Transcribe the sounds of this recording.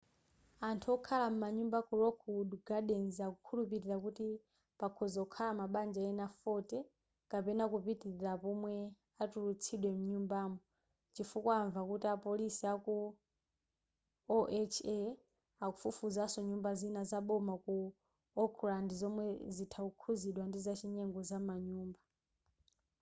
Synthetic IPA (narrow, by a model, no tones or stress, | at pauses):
antʰuɔkʰalam̩maɲumbakuɾɔkʰuduɡaɗɛnzakukʰulupiɾiɾakuti | pakʰɔzɔkʰalamaɓand͡ʒaɛnafɔtɛ | kapɛnakupitiɾiɾapɔmwɛ | atulut͡sʰiɗwɛmuɲumbaːmɔ | t͡ʃifukwaaɱvakutiapɔlisiaku | ɔʔɛt͡ʃʰɛ | akufufuzasɔɲumbazinazaɓɔmaku | ɔklandizɔmwɛzitʰaukʰuziɗwandizat͡ʃʰiɲɛŋɡɔzamaɲuːmba